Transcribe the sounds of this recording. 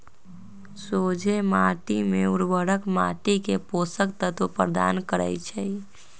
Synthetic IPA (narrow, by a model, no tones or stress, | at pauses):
sod͡ʒʱemaʈimeuɾʋəɽəkma̰ʈikeposəkt̪ət̪upɾd̪a̰nkəɾə̰jt͡ʃʰɛj